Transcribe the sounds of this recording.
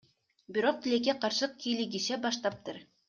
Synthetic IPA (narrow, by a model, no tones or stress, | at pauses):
biɾoq̚t̪ɪ̆lekʲeqɑɾʃɤq̚kʲilʲiɡʲiʃæbɑʃt̪ˠɑp̚t̪ɤɾ